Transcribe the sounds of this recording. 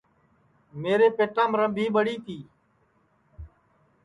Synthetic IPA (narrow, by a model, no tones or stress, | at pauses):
meːɾeːpeːʈãːmɾə̃bʱiːɓəɽiːt̪ʰiː